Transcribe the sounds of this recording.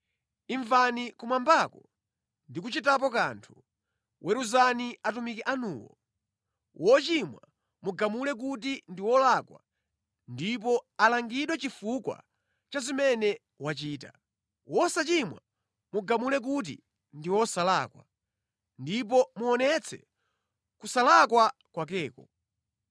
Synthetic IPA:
iɱvanikumwambakɔ | ndikut͡ʃitap̬ɔka̰ːntʰu̥ | wʔɛɾuzaniatumikiʔanuːwɔ̰ | wʔɔt͡ʃimwa | muɡamulɛk̬ut̬indiwɔlakwa̰ | ndip̬ɔalaŋɡiɗwɛt͡ʃifukwa̰ | t͡ʃazimɛnɛ | wat͡ʃiːta | wʔɔsat͡ʃimwa̰ | muɡamulɛk̬ut̬ḭ | ndiwɔsalakwa | ndip̬ɔmuɔnɛt͡sʰɛ̰ | kusalakwa | kwak̬ɛːkɔ

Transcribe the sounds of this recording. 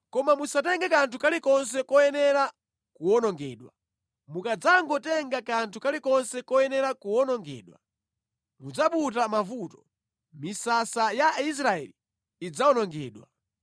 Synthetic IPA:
kɔmamusatɛŋɡakantʰukalikɔns̬ɛkɔjɛnɛɾa | kuwɔnɔŋɡɛːɗwa̰ | mukad͡zaŋɡɔtɛŋɡakantʰukalikɔnsɛkɔjɛnɛɾakuwɔnɔŋɡɛ̰ːɗwa | mud͡zaɓutamavutɔ | misasajais̬ɾaɛ̰liː | d͡zaɔnɔŋɡɛ̰ːɗwa̰

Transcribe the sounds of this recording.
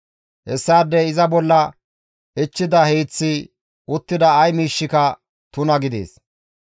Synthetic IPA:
hɛsːaːd̪ːɛɪzɐbɔlːɐ | ɪt͡ʃːɪd̪ɐheːt͡sːɪ | ʊt̪ːɪd̪ɐːjmiːʃːɪkɐ | t̪ʊnɐɡɪd̪ḛːs

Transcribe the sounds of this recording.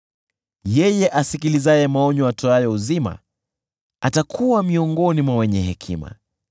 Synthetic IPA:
jɛjɛʔasikilizajɛmaɔɲɔatɔajɔuzima̰ | atakʰuwamiɔŋɡɔnimwawɛɲɛɦɛkʰḭma̰

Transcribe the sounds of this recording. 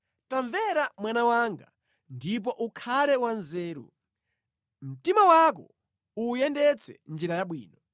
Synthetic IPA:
taɱvɛɾamwanawaŋɡa̰ | ndip̬ɔʔukʰalɛwanzɛːɾṵ | m̩timawakɔ | ujɛndɛt͡sʰɛ̰nd͡ʒiɾajaɓwḭːnɔ

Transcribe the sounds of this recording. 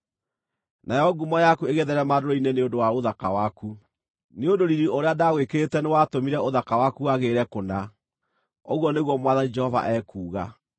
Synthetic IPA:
nʔajɔɡumɔjakueɣeðɛɾɛmaɾoɾoineneondowaoðaka̰waku | neondoɾiɾioɾeadaɣwekeɾetɛnewatomiɾɛoðakawakuaɣeɾɛkona | oɣwɔneɣwɔmwaðanid͡ʒɛhɔva̰ʔɛːkuːɣa̰

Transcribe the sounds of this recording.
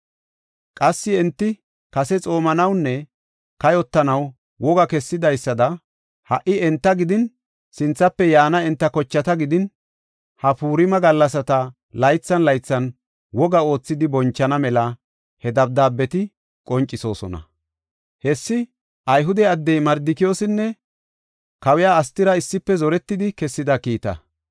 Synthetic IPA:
kʼɐsːɪɛnt̪ːɪ | kɐsɛt͡sʼo̞ːmɐnɐwnːɛ | kɐjɔt̪ːɐnɐw | wɔɡɐkɛsːɪd̪ɐjsːɐd̪ɐ | hɐʔːɪɛnt̪ːɐɡɪd̪ɪn | sɪnt͡sːɐpːɛjaːnɐɛnt̪ːɐkɔt͡ʃːɐt̪ɐɡɪd̪ɪn | hɐpuːɾɪmɐɡɐlːɐsɐt̪ɐ | lɐjt͡sːɐnlɐjt͡sːɐn | wɔɡɐo̞ːt͡sːɪd̪ɪbɔnt͡ʃːɐnɐmɛlɐ | hɛd̪ɐb̚d̪aːbːɛt̪ɪ | kʼɔnt͡ʃʼːɪso̞̰ːsɔ̰nɐ̰ | hɛsːɪ | ʔɐjɦʊd̪ɛɐd̪ːɛjmɐɾd̪ɪkɪjoːsɪnːɛ | kɐwɛjaːst̪ɪɾɐɪsːɪpːɛzɔɾɛt̪ːɪd̪ɪkɛsːɪd̪ɐkiːt̪ɐ̰

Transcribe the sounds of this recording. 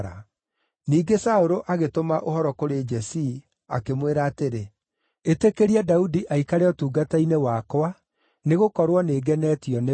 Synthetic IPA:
ɾa̰ | niːɡesaoɾoʔaɣetomaʔohɔɾɔkoɾed͡ʒɛsi | a̰kemweɾaːteɾe | etekeɾiadaudiʔaikaɾeɔtuːɡatainewakwa | neɣokɔɾwɔneːɡɛnɛːtiɔne

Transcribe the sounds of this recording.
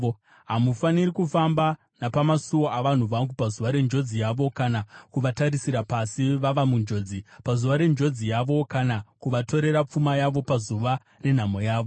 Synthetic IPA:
ɦamufaniɾikufamba | napamasuwoʔaʋan̤uʋaŋɡupazuʋaɾe̞nd͡ʒo̞d͡zijaʋo̞kanakuʋataɾisiɾapasiʋaʋamund͡ʒo̞ːd͡zipazuʋaɾe̞nd͡ʒo̞d͡zijaʋo̞kanakuʋato̞ɾe̞ɾap͡fumajaʋo̞pazuʋa | re̞n̤amo̞jaːʋo̞

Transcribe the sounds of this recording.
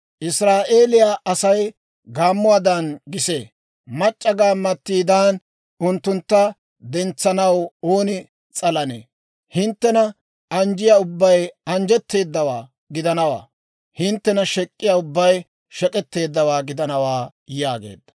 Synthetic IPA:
ʔɪsɾaːʔe̞ːlɪjaʔɐsɐj | ɡaːmːʊaːd̪ɐnɡɪseː | mɐt͡ʃʼːɐɡaːmːɐt̪ːiːd̪aːn | ʊnt̪ːʊnt̪ːɐ | d̪ɛnt͡sːɐnɐwo̞ːnɪ | t͡sʼɐlɐnḛː | hɪnt̪ːɛnɐ | ɐnd͡ʒɪjaʊbːɐjɐnd͡ʒɛt̪ːe̞ːd̪ːɐwaː | ɡɪd̪ɐnɐwa̰ː | hɪnt̪ːɛnɐʃɛkʼːɪjaːʊbːɐj | ʃɛkʼɛt̪ːe̞ːd̪ːɐwaːɡɪd̪ɐnɐwaː | jaːɡḛːd̪ːɐ̥

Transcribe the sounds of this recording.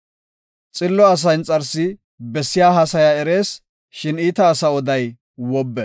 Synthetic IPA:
t͡sʼɪlːɔɐs̬ɐjnt͡sʼɐɾsɪ | bɛsːɪjaːɦɐsɐjaɛɾe̞ːs | ʃɪniːt̪ɐːsɐɔd̪ɐj | wɔbːɛ

